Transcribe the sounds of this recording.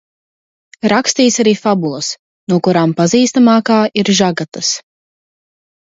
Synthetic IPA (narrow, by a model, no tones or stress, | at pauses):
ɾakst̪iːsaɾiːfabulˠɐs | nuɔkuɾaːmpaziːst̪amaːkaːʔiɾʒaɡat̪as